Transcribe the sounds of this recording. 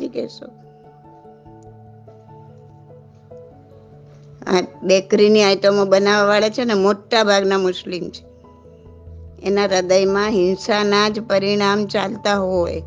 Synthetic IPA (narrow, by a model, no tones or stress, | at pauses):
ikɛ̰ʃo | a̰bekɾiniajʈəmobənaʋaʋaɭat͡ʃʰenemoʈːabʱaɡnamʊʃlimt͡ʃʰe̥ | ḛnaɾəd̪əjmãɦɪnsanad͡ʒpəɾiɽ̃amt͡ʃalt̪aɦoj